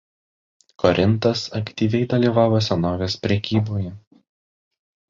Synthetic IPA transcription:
kʰɔɾʲʔɪnt̪ɐsɐkt̪ʲiːʋʲɛɪd̪ɐlʲiːʋɑːʋoːsʲɛnoːʋʲeːspʲɾʲɛkʲiːboːjɛ

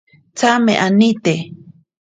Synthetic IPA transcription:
t͡sameʔanit̪e

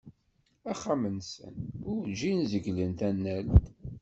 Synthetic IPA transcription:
æχːamənsə̰nʊɾd͡ʒinzəɡlənt̪ænːælt̪

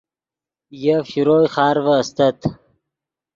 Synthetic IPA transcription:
jafiɾoːjχɑːɾvəːst̪ɐt̪

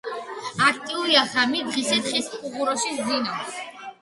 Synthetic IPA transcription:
ak̚ʰt̪ʼiuɾiaχamid̪ʁisɛt̪χispʼuʁuɾɔʃiszinaws

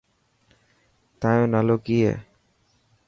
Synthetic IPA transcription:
t̪ajõnaloɡijḛ

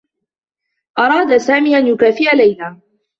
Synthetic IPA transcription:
ʔɑɾˤɑːd̪asaːmiːʔanjʊkaːfiːʕalajnaː

